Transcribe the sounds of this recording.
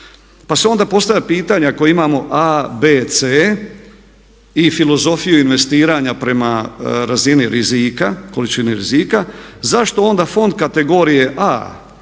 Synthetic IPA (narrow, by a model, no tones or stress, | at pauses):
paseo̞nd̪apo̞st̪avjʲʎapiːt̪aɲaakoimaːmo̞ʔabeːt̪se | ifilo̞zo̞fijuinʋe̞st̪iːɾaːɲapɾe̞maɾaziniɾizikako̞lit͡ʃiniɾḭzikazaʃt̪o̞o̞nd̪afo̞nd̪kat̪e̞ɡo̞ːɾije̞ʔa̰ː